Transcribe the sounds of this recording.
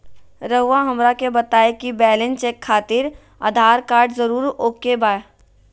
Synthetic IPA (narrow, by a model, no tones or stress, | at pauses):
ɾəɦaɦɐmɾakebɐt̪aːekibɛːlɪnt͡ʃeːkʰːaːt̪ɪɾ | a̰ːd̪ʱaːɾkaːɾɖzəɾuːɾoːkːebaːe